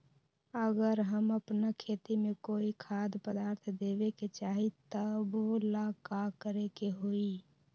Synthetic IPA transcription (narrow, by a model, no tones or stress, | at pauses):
əɡəɾɦəməpnakʰeːt̪imẽkoːikʰad̪pəd̪aːɾt̪ʰd̪eːbeket͡ʃaːɦit̪əbolakakəɾekeɦoi